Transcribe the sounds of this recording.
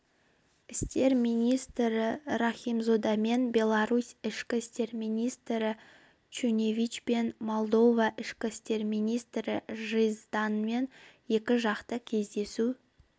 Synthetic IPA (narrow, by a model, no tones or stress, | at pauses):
ɪst̪e̞ɾmijnʲijst̪ɾɪɾaχijmzod̪ɑme̞nbʲe̞lˠaɾusɪʃkʲɪst̪e̞ɾmijnijst̪ɾɪ | t͡ʃunevʲit͡ʃpe̞nmo̞lˠd̪o̞vɑʔɪʃkʲɪst̪e̞ɾmijnijst̪ɾɪʒɨjzd̪ɑnme̞nje̞kʲɪʒɑqt̪əkʲʰe̞zd̪e̞su